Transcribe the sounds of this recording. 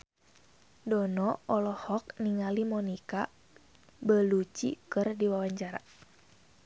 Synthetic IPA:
dɔnɔɔlɔhɔk̚niŋalimɔnika | bəlut͡ʃḭkɨrdiwawaɲt͡ʃaɾa̰

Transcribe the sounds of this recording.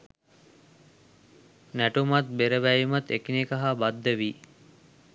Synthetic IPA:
næʈumat̪̚beɾəʋæjimət̪ekinikaɦabad̪ːəʋi

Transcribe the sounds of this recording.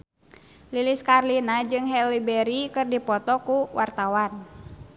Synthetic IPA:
liliskarlinad͡ʒɨŋɦɛlibɛɾikɨrdipɔt̪ɔkuwart̪awan

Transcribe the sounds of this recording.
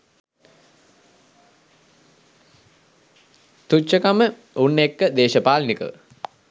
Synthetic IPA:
t̪uəkamə | unːekːəd̪eːʃəpaːlnikə̰ʋ

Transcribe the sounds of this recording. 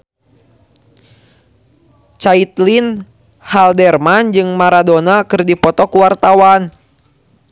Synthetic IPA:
t͡ʃait̪lin | haldɛrmand͡ʒɨŋmaɾadonakɨrdipɔt̪ɔkuwart̪awan

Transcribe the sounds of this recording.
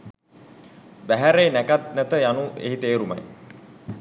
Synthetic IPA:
bæɦæɾeːnækat̪̚næt̪əjanuʔḛɦit̪eːɾuma̰j

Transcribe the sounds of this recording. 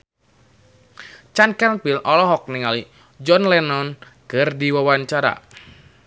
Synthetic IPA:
t͡ʃankɛnpilʔɔlɔɦɔk̚niŋali | d͡ʒɔnlɛnɔn | kərdiwawaɲt͡ʃaɾa̰

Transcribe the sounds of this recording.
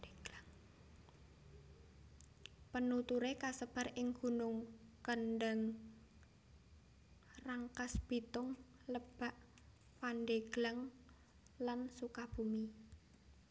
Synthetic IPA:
ŋ | pənut̪uɾekasəb̥a̤rʔɪŋɡ̥ṳnʊŋkənɖəŋ | raŋkasb̥i̤t̪ʊŋ | ləb̥a̤ʔ | panɖeɡ̥laŋ | lansukab̥ṳmi

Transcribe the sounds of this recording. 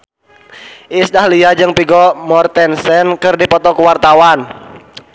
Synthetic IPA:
ʔisdahliad͡ʒɨŋpiɡɔmɔrt̪ɛnsɛnkɨrdipɔt̪ɔkuwart̪awan

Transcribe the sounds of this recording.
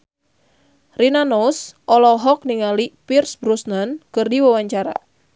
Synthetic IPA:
rinanɔsʔɔlɔɦɔk̚niŋalipirsbɾusnankɨrdiwawaɲt͡ʃaɾa̰

